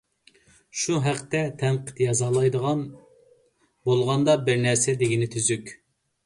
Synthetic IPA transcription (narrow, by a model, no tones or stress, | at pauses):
ʃuɦæqt̪ɛt̪ʰɛnqʰə̥t̪jɑzɑlˠɑjd̪əʁɑn | bolˠʁɑnd̪ɑbɪɾnɛɾsɛd̪eɡʲinɪt̪ʰyzykʲ